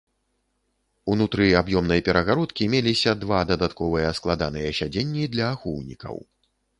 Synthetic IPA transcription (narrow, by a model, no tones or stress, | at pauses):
unut̪ɾɨabjɔmnɐjɐpʲɛɾɐɣaɾɔt̪kʲimʲelʲisʲɐd̪vad̪ɐd̪at̪kɔvɨjɐsklˠad̪anɨjɐsʲad͡zʲenʲːid̪lʲɐːxuwnʲḭkɐ̰w